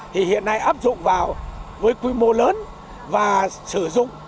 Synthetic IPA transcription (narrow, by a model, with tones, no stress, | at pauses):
t̪ʰi˨˩hḭ˧˨ənːa˧jʔaː˦˥p̚zʊ̰˧˨ŋ͡mvaː˨˩wvəː˨˦jkwi˧mo˧ləː˨˦n | vaː˨˩sɨ˧˩zʊ̰˧˨ŋ͡m